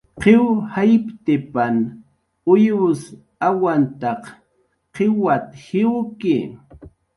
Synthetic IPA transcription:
qewhajpt̪ɪpan | ʊjʊs | awant̪ɑq | qɪwat̪hɪwkɪ

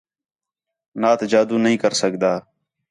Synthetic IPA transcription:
naːt̪ʰd͡ʒaːd̪uːnəɦĩːkəɾsəɡd̪aː

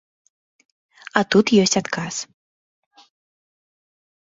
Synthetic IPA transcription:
ɐt̪ut̪jɔsʲt͡sʲat̪kas

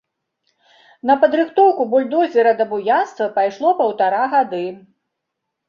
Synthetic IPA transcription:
nɐpɐd̪ɾɨxt̪ɔwkubɔlʲd̪ɔzʲɛɾɐd̪ɐbujanst̪vɐpajʂlˠɔpɐwt̪aɾaɣad̪ɨ

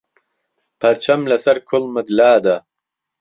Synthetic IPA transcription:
pʰɐɾt͡ɕʰɐmlɐsɐɾkʰolmɐd̪laːd̪a

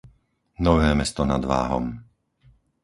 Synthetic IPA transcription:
nɔʋɛːmɛst̪ɔna̰d̪ʋa̰ːɦɔ̰m

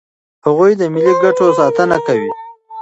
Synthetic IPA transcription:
haɣujd̪əmɪliɡaʈosɑt̪ənakawi

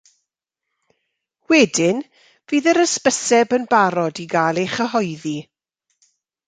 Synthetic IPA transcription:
wɛdɪn | v̥iːðəɾəspəsɛbənbaɾɔdiɡalˠejχəɦɔjði

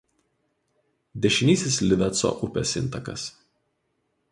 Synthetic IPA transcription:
d̪ʲɛʃʲɪnʲiːsʲɪslʲɪʋʲɛt̪so̰ːʔʊpʲɛ̰sɪ̰nˑt̪ɐkɐ̰s

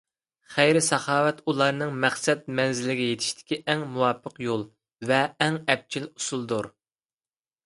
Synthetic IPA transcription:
χæjɾɪsɑχɑːwɛt̪ulˠɑɾnɨŋmæχsɛt̪̚mɛnzɪlɪɡʲɛjet̪ʰɪ̥ʃt̪ʰɪ̥kʲiʔɛŋmuwɑːpʰːəqjolˠ | vɛːŋɛp̚t͡ʃʰilusulˠd̪uɾ

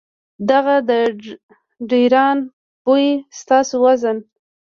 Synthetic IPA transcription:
d̪aɣad̪ə | ɖiɾɑn | bojest̪ɑsowazən

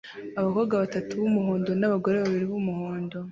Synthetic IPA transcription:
aβakoɡaβatatuβumuhoːndo̞naβaɡo̞ɾeβaβiɾiβumuhoːndo̞

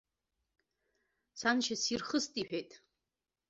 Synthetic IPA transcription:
sanʃasirχəstʼiħᶣejtʼ

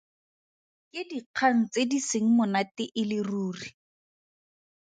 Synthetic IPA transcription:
kɪdiq͡χʰaŋ̩t͡sediseŋ̩mʊnatɪʔɪlɪruːri

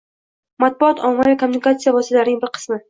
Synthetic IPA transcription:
mat̪̚bʊɒt̪ʰɒmavikʰomːunɪkat̪sijavɒst̪alaɾɪnɪŋbɪɾqʰɨ̥smɪ

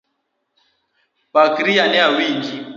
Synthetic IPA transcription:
pakiɾijanɛawiŋɡi

